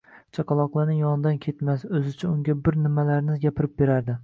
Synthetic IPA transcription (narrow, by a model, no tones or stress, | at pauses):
t͡ʃʰɒqɑlˠɒqlˠaɾnɪjɒnɪd̪ankʲʰe̞t̪masɵzɪt͡ʃʰaʊŋɡʲabɪɾnɪmalaɾnɪzɡʲapʰɪɾɪp̚be̞ɾaɾd̪ɪ